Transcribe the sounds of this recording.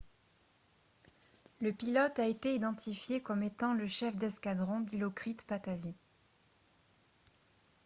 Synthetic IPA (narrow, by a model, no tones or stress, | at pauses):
ləpilɔt̪aet̪eid̪ɑ̃t̪ifjekɔmet̪ɑ̃ləʃɛfd̪ɛskad̪ʁɔ̃d̪ilokχit̪pat̪avi